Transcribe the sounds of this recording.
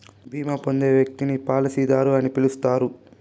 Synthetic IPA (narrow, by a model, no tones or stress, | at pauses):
bʱiːmɐpo̞nd̪e̞ːʋjɐk̚t̪inipaːlɐsiːd̪aːɾuɐnipilust̪aːɾu